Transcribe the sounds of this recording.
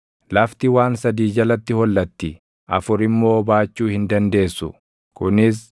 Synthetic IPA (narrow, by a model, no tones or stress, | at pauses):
lɐft̪ɪwaːnsɐd̪iːd͡ʒɐlɐt̪ːɪhɔlːɐt̪ːɪ | ʔɐ̰fʊɾɪmːo̞ːbaːt͡ʃːuːhɪnd̪ɐnd̪e̞ːsːʊ̰ | kʊnɪs